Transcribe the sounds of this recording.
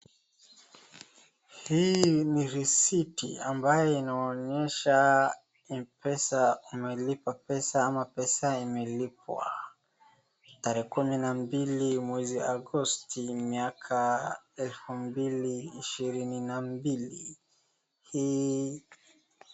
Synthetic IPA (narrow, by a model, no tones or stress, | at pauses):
hiniɾisitḭambajɔinaɔɲɛʃa | ipʰɛsaumɛlipapɛsaamapɛsaimɛlipwa̰ | taɾɛɛkuminambilimwɛziaɡɔstimiakʰaɛlfumbiliːʃiɾininambili | hi